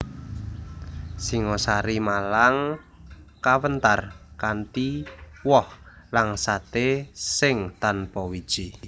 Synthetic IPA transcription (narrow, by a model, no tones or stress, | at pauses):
siŋɔsaɾimalaŋ | kawənt̪arkant̪iwɔh | laŋsat̪esɪŋt̪anpɔwid̥ʒ̥i